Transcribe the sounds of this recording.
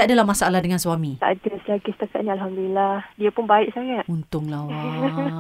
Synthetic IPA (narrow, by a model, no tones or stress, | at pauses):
t̪aʔadalamasaalahdəŋansuamĩt̪a̰ʔdaslakist̪aka̰ʔ̚nialɦamd̪ulilahdiapʊnbaɪʔsaŋat̪̚unt̪ʊŋlawa